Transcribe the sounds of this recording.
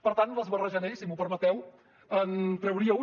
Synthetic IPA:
pəɾt̪ant̪ləzβərəʒənesimupəɾmət̪ɛw | ənt̪ɾəwɾiəu

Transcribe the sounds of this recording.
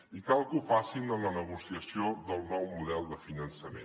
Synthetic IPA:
ikalˠkufasinələnəɣusiəsioðəlˠnɔwmuðɛlˠd̪əfinənsəmḛ̃n

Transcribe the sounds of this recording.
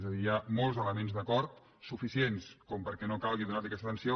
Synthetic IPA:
zəðiːamɔlˠzələmenzðəkɔɾt̪ | sufisienskɔmpəɾkɛnokalˠɣiðunat̪əkɛst̪ət̪ənsio

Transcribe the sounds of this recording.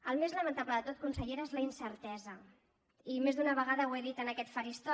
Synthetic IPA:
əlˠmezləmə̃nt̪aβləðət̪ot̪̚kunsəʎeɾaezləinsəɾt̪ɛzə | imezd̪unəβ̞əɣ̞aðəweðit̪ənəkɛt̪faɾist̪ɔ

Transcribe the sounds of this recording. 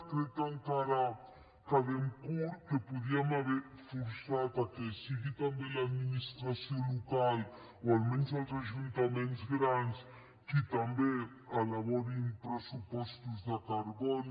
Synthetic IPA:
kɾet̪aŋkaɾa | kaðeŋkuɾkepuðiamaβeɾ | fuɾsat̪akesiɣit̪ambelad̪minist̪ɾasjolukal | oalmenzalzaʒunt̪amenzɡɾans | kit̪ambe | alaβɔɾimpɾesupɔst̪uzðakaɾβɔn

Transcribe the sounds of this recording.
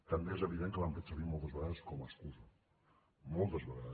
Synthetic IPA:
t̪ambjeezeβiðenkelampet̪seβiɾmolˠt̪azβeɣaðaskomeskuso | molˠt̪azβeɣað

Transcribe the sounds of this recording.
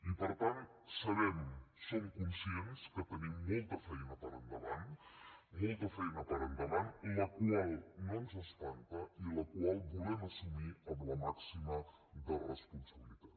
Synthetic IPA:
ipəɾt̪ant̪̚səβɛmsoŋkunsienskət̪ənimːolt̪əfɛjnət̪aɾə̰nd̪əβan | molt̪əfɛjnət̪əɾənd̪əβaniləkwalnonsəst̪ant̪əiləkwalbuleməsumiəmləmaksimə | d̪ərəspunsəβilit̪at̪

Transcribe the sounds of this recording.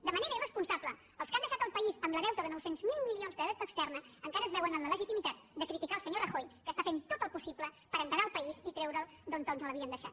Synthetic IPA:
d̪əməneɾəirəspunsablə | əlˠskand̪əʃat̪əlˠpəizəmləðɛwt̪əðənɔwsenzmilˠmilionzðəðɛwt̪əːkst̪ɛrnəəŋkaɾəːzβɛwənənlələʒit̪imit̪at̪̚d̪əkɾit̪ikaəlˠsəɲorəxojkəst̪afent̪ot̪əlˠpusiblə | pəɾənt̪əɾaəlˠpəizit̪ɾɛwɾəlˠd̪ont̪onzələβiənd̪əʃa̰t̪

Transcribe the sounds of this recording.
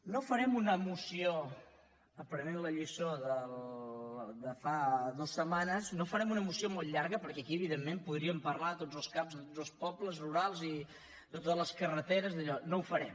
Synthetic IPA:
nofəɾɛmunəmusio | əpɾənɛmləʎisoðəl | d̪əfaðosːəmanəznofəɾɛmunəmusiomolˠʎaɾɣəpəɾkɛəkiəβiðemːempuðɾiəmpərlat̪odzəlˠskapzðət̪od͡zzəlˠspɔbləzruɾalˠzi | ðət̪ot̪ələskərət̪eɾəzðəʎɔnoufəɾɛm

